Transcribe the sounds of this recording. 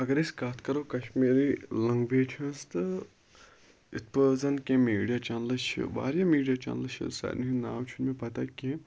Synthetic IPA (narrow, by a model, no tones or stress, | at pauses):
ɐɡɐɾeskaːt̪ʰkɐɾokɐʃmiːɾilɐŋɡbeːʈʰɐ̃nst̪ɨ | it̪pəːzɐnkʲẽmiːɖijat͡ʃaːnlɐʃḭba̰ːɾjamiːɖijat͡ʃa̰ːnlɨʃḭsɐ̰ninaːwt͡ʃʰunmẽpɐt̪akʲẽ